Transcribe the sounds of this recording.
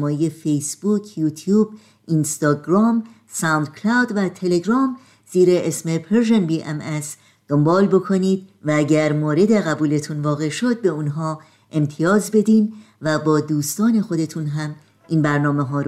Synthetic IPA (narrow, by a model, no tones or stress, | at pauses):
mɒːjeje̞fe̞jsb̥uːkʰjuːt̪ʰjuːb | inst̪ɒːɡɾɒːm | sænd̪̚kʰlawd̪væt̪ʰe̞le̞ɡɾɒːm | z̥iːɾeʔesme̞pʰeɾʒenbiʔemes | d̪̥ombɒːlbo̞kʰo̞niːd̪̚vææɟæɾmoːɾe̞d̪e̞ɣæbuːle̞t̪ʰunvɒːɣe̞ʃod̪̚be̞unɦɒː | ʔe̞mt̪ʰijɒːzbe̞d̪iːn | væbɒːd̪uːst̪ɒːne̞xo̞d̪e̞t̪ʰunɦæm | ʔiːnbæɾnɒːmeɦɒːɾ